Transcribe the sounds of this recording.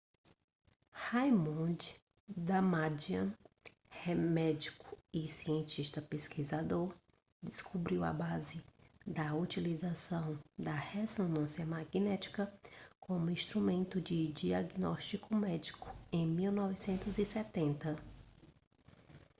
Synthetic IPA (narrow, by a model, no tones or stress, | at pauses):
hajmõd͡ʒ | d̪ɐmad͡ʒiɐ̃ | hɛmɛd͡ʒikʊ̥ɪsiẽnt͡ʃiʃt̪ɐpeskizad̪oɾ | d͡ʒɪskubɾiwɐ̰bazɪd̪ɐut͡ʃilizasɐ̃w̃d̪ɐhesonɐ̃sjɐmaɡnɛt͡ʃi̥kɐkʰõmʊĩst̪ɾumẽnt̪ʊd͡ʒɪd͡ʒiaɡnɔʃt͡ʃikʊmɛd͡ʒikʊ̥ẽj̃miwnɔvisẽnt̪ʊzisɛt̪ẽnt̪ɐ